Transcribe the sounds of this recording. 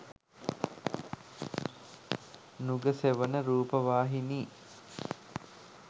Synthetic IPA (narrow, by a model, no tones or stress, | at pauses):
nuɡəseʋənəɾuːpəʋaːɦiniː